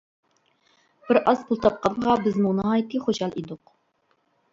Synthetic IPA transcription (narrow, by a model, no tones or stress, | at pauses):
b̥ɪɾʔɑzpulˠt̪ʰɑp̚qɑɴʁɑbɪzmunɨɑjt̪ːɨχoʃɑlˠid̪ʊq